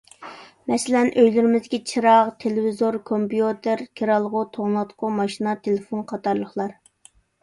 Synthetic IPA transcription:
mɛsɪlɛnʔøjlyɾɪmɪzɪɡʲit͡ʃʰiɾɑʁt̪ʰelɪvizoɾkʰompijut̪ʰɪɾkʲʰeɾɑlˠʁʊt̪ʰoʁnˠɑt̪qʰʊmɑʃinɑt̪ʰelɪfonqʰɑt̪ɑɾlˠəχlˠɑɾ

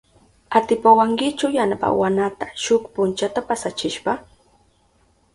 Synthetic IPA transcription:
at̪ɪpawaŋkɪt͡ʃawjanapa̰wanat̪ḁʃʊkpʊnt͡ʃat̪apasat͡ʃɪʃpɑ

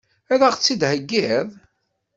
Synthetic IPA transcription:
æðæʁt͡sːid̪həɡːiðˤ

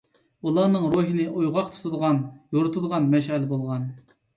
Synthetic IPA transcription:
ulˠɑːnɨŋɾoɦɨnɨʔujʁɑqt̪ʰu̥t̪ʰud̪əʁɑnjoɾɨt̪ʰud̪əʁɑnmɛʃɛlɪbolˠʁɑn

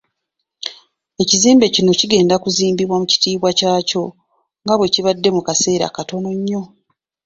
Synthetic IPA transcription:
e̞ciziːmbe̞cino̞ciɡe̞ːndakuziːmbiβwamuci̥tiːβwacaːco̞ | ŋɡaβwe̞ciβadːe̞mukase̞ːɾa̰kato̞no̞ɲːo̞

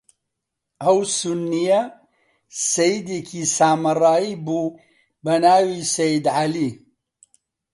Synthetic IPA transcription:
ɐwsunːijɐ | sɐjid̪ekʰiːsaːmɐrˤaːiːbuː | bɐnaːwiːsɐjid̪ʕaliː

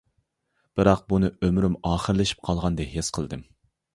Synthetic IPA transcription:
b̥ɨɾɑq̚bunɨømɾymɑːχəɾlɪʃi̥p̚qʰɑlˠʁɑnd̪ɛɦesqʰəlˠd̪ɨm

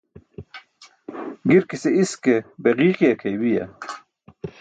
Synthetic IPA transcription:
ɡiɾkiseiskebeʁiːqiekʰejbijɐ̰

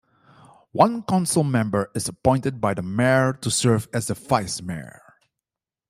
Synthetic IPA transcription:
wʌ̃nkãnsl̩ˠmɛ̃mbə˞ɨzəpɔ̃ɪ̃ntɨd̚baɪðəmɛtʰusɜ˞vɨzəfaɪsmɛ̰

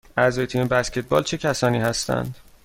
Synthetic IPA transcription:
æzɒːjet̪ʰiːmebæscʰʲe̞t̪̚bɒ̰ːlt͡ʃʰe̞cʰæsɒːniːhæst̪æ̰nd̪̥

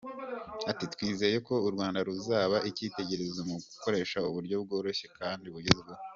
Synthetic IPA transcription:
atitwiːze̞ːje̞ko̞uɾɡwaːndaɾuzaːβaʔiciːte̞ɟe̞ɾe̞zomuɡuko̞ɾe̞ːʃauβuɾjo̞b̚ɡo̞ːɾo̞çe̞kʰaːndiβuɟezeɡwo

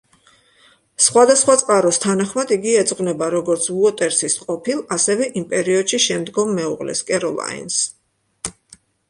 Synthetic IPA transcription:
sχwad̪asχwat̪sʼqʼaɾɔst̪ʰanaχmad̪iɡiɛd̪z̥ʼʁʼvnɛbaɾɔɡɔɾt̪sʰuɔt̪ʼɛɾsisqʼɔpʰilˠasɛvɛʔimpʼɛɾiɔd̪̥ʃiʃɛmd̪ɡɔmːɛṵʁlɛ̰skʼɛɾɔlˠa̰ḭns

